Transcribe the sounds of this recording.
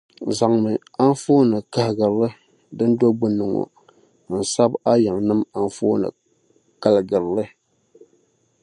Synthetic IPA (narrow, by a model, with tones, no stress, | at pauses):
za˨ŋmɨ˨ | a˦n˦foː˦nɨ˨ka˨hɨ˨ɡɨ˨ɾlɨ˦ | dɨ˦n˦do˦ɡ͡bɨ˦nːɨ˨ŋɔ̰˨ | n̩˨sa˦ba˦ja˨ŋ˨nɨ˦ma˨n˦foː˦nɨ̰˨ | ka˨lɨ˨ɡɨ˨ɾlɨ˦